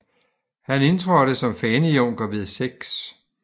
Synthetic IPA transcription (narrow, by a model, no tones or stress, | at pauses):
hæne̝nt͡sʰʁɒd̥əsɒ̽mfɛːniɔŋ̰ɡ̥ɐʋeðˠseɡ̥s